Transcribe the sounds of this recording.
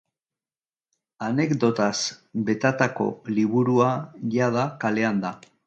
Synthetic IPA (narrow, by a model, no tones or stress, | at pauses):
ane̞kd̪o̞t̪asbe̞t̪at̪ako̞̰liβuɾuaʝaðakale̞and̪a